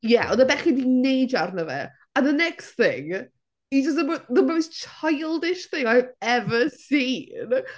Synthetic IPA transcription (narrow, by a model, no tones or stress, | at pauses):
jɛʔɔnəbɛχidinejdarnəvɛ̰ | aðənɛkstθɪ̰ŋ | id͡ʒəs̬təməðəməwst͡ʃʰajlˠdɪʃθɪŋajvɛvəsiːn